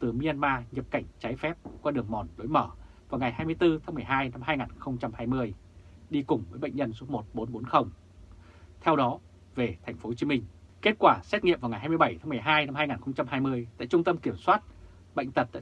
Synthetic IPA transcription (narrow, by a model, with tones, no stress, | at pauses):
t̪ɨ˨˩mi˧a˧nmaː˧ɲə˨˩p̚ka˧˩jŋ̟t͡ɕa˨˦jfɛ˦˥p̚kwaː˧ɗɨ˨˩əŋmɔ˨˩nlo̰˨˦jməː˧˩vaː˨˩wŋa˨˩jɦaː˧jmɨ˧əjt̪ɨ˧t̪ʰaː˨˦ŋmɨ˨˩əjɦaː˧jna˧mɦaː˧jŋaː˨˩nxə˧wŋ͡mt͡ɕa˧mhaː˧jmɨ˧əjɗi˧kʊ˨˩ŋ͡mvəː˨˦jɓə̰˧˨jŋ̟ɲə˧nsu˦˥p̚mo˨˩t̚ɓo˨˦nɓo˨˦nxə˧wŋ͡m | t̪ʰɛ˧wɗɔ˨˦ | ve˨˩t̪ʰa˨˩jŋ̟fo˨˦ho˧˩t͡ɕi˨˦mï˧ŋ̟ke˦˥t̚kwaː˧˩sɛ˦˥t̚ŋḭ˧˨mvaː˨˩wŋa˨˩jɦaː˧jmɨ˧jɓə˧˩jt̪ʰaː˨˦mɨ˨˩əjɦaː˧jna˧mhaː˧jŋaː˨˩nxə˧wŋ͡mt͡ɕa˧mhɦaː˧jmɨ˧əjt̪a̰ː˧˨jt͡ɕʊ˧ŋ͡mt̪ə˧mki˧˩əmswaː˦˥t̚ | ɓə̰˧˨jŋ̟t̪ə˨˩t̚t̪a̰ː˧˨